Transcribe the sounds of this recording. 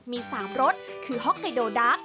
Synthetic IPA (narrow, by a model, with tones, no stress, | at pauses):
miː˧saː˩˦mɾo˦˥t̪̚ | kʰɯː˧ɦɔ˦˥k̚k̪a˧doː˧˩daː˦˥k̚